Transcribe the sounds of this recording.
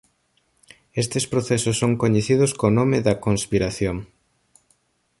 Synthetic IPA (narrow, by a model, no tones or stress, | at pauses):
est̪espɾoθesʊsːoŋkoɲeθiðʊskonomeðɐkonspiɾaθjoŋ